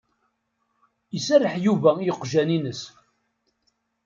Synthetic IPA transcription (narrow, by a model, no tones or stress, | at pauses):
əsærəħjuvæjəqːʒæninəs